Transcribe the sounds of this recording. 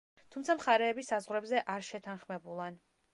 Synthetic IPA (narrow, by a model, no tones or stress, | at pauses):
t̪ʰumt̪sʰamχaɾɛːbisazʁwɾɛbzɛʔaɾʃɛt̪ʰanχmɛbulˠan